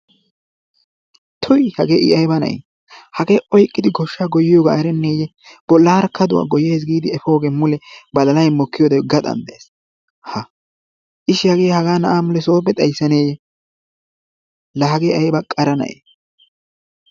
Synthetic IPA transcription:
t̪ʰʊjhɐɡe̞ːʔɪ̰ʔɐjbɐnɐ̰j | hɐɡe̞ːʔɔjkʼːɪd̪ɪɡɔʃːaːɡɔjːɪjoːɡa̰ːɛɾɛnːe̞ːjɛ | b̥ɔlːaːɾkʰːɐd̪ʊwa̰ːɡɔjeːs̬ɡiːd̪ɪɛfo̞ːɡeːmʊlɛbɐlɐlɐjmɔkːɪjoːd̪ɐɡɐt̪ʼɐ̰nd̪ɐes | hɐ | ʔɪʃːɪhɐɡe̞ːhɐɡaːnɐʔaːmʊlɛso̞ːbɛt̪ʼɐjsːɐne̞ːjɛ | lɐɦɐɡeːɐjbɐkʼɐɾɐnɐ̰ʔḛ

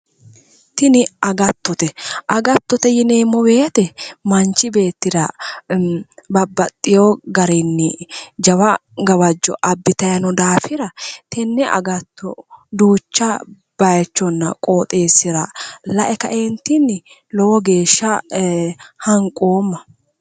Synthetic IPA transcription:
t̪ɪnɪɐɡɐt̪ːɔt̪ɛʔɐɡɐt̪ːɔt̪ɛjɪneːmːɔbe̞ːt̪ɛmɐnt͡ʃːɪbe̞ːt̪ːɪd̪ɐ | bɐbːɐt̪ʼːɪjoɡɐɾɛnːɪd͡ʒɐwɐɡɐwɐd͡ʒːɔ̰ʔɐbːɪt̪ɐjɐnɔd̪aːfɪɾɐt̪ɛnːɛʔɐ̰ɡɐt̪ːɔ̰d̪uːt͡ʃːɐ | b̥ɐjt͡ʃːɔnːɐ̰kʼoːt̪ʼe̞ːsːɪɾɐlɐʔɛkɐ̰ʔent̪ɪnːɪ | lɔwɔɡe̞ːʃːɐ | hɐŋkʼoːmːɐ

